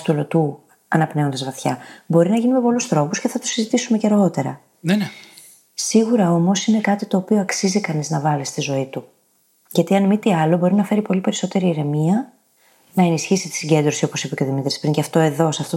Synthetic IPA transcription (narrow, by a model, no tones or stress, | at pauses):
t̪ulot̪u | ɐnɐpneo̞nd̪ɐzvɐθçɐbo̞ɾinɐʝinime̞po̞lusθɾo̞pusce̞θɐt̪usizit̪isume̞cɐɾɣo̞t̪e̞ɾɐ̰ | siɣuɾɐo̞mo̞sine̞kɐt̪it̪o̞ːpioɐksizikɐniznɐvɐlist̪izo̞it̪u | ʝɐt̪iɐnmit̪iɐlobo̞ɾinɐfe̞ɾipo̞lipe̞ɾiso̞t̪e̞ɾiːɾe̞miɐ | nɐe̞nisçisit̪i̥siɲɟe̞nd̪ɾo̞sio̞po̞sipeco̞ðimit̪ɾispiŋceɐft̪o̞e̞ðo̞sɐft̪o